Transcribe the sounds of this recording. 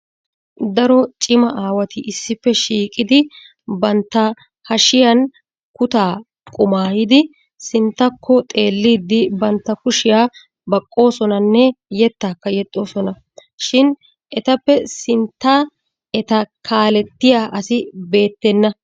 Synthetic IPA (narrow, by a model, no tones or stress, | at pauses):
d̪ɐɾɔt͡ʃʼɪmɐʔaːwɐt̪ɪʔɪsːɪpːɛʃiːkʼɪd̪ɪ | bɐnt̪ːɐ | hɐʃɪjɐn | kʊt̪aː | kʼʊmaːjɪd̪ɪ | sɪnt̪ːɐkʰːɔt̪ʼe̞ːlːiːd̪ːɪbɐnt̪ːɐkʊʃɪjaː | bɐkʼːo̞ːsɔnɐnːɛjɛt̪ːaːkːɐjɛt̪ʼːo̞ːsɔnɐ | ʃɪn | ʔɛt̪ɐpːɛsɪnt̪ːaː | ʔɛt̪ɐkʰaːlɛt̪ːɪjaːʔɐsɪbe̞ːt̪ːɛnːɐ